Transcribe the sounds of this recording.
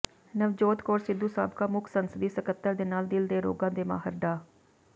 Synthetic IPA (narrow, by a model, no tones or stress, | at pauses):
nəʋd͡ʒoːt̪koːɾsɪd̪uːsa̰ːbkaːmʊkʰsənsəd̪iːsəkət̪ːəɾd̪eːnaːld̪ɪld̪eːɾo̰ːɡãːd̪eːma̰ːɦəɾɖaː